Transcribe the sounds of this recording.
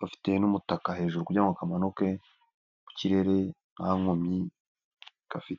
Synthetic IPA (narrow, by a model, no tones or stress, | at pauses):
bafi̥tenumutakahe̞ːʒuɾukuɟaŋɡakamanoke̞ | buciɾe̞ɾe̞ | aŋomi | kafite